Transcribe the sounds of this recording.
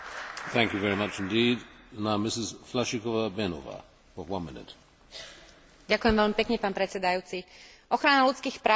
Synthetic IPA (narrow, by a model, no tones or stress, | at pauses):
θæ̃ŋkjɨvɛɹimʌt͡ʃɪ̃ndiːdə̃nãɪ̃mːɪsɪz̥flaʃikɔvəbɛno̰və̰ | fəwʌ̃nmɪnɪ̰t | ɟakujɛmʋɛʎmipɛkɲɛpaːnpɾɛt͡sɛd̪ajuːt͡si | ʔɔxɾanalut͡skiːxpɾa